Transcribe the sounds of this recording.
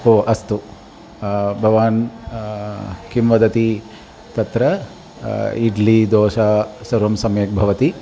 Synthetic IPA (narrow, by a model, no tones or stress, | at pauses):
oːʔɐst̪u | bʱɐʋaːn | kimʋɐd̪ɐt̪i | t̪ɐt̪ɾɐ | iɖlid̪oːʃaːsɐɾʋɐmsɐmjek̚bʱɐʋɐt̪i